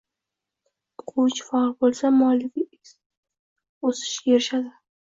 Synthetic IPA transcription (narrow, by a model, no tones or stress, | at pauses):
qʰut͡ʃfɑlbolˠsamɒlɪv | osɪ̥ʃjeɾɪʃad̪ɪ